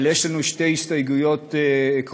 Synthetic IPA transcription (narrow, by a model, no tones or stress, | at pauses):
ljeʃlanuʃtejist̪ajɡujot̪ek